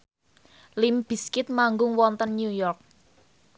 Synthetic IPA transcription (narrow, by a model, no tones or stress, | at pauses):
limb̥i̤skɪt̪̚maŋɡʊŋwɔnt̪ənɲujɔrk̚